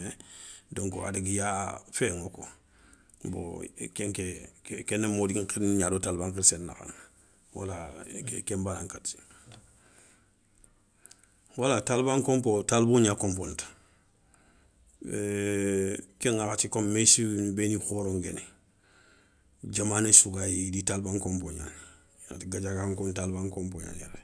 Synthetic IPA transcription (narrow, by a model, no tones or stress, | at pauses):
edoŋko̰a̰diɡijafeŋoko̰ | bo̰keŋkekkenːemodikiɲadotalbaŋkiɾsenːa̰xa̰n | wa̰laekembanaŋkati̥ | walatalbaŋkompotalboɲakompontḁ | keŋakatikommesibenixoɾoŋɡḛni | ɟamaːnesuɡajditalbaŋkompoɲa̰n | a̰ɡaɟaɡaŋkontalbaŋkompoɲa̰ɲa̰ɾa